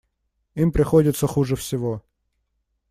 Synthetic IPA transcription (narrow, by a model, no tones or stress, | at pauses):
impɾʲɪxodʲɪt̪səxuʐɛfsʲɪʋo